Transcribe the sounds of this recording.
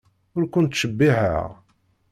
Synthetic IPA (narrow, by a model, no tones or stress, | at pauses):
ʊɾkʷʊnt̪ʃəbːihə̰ʁ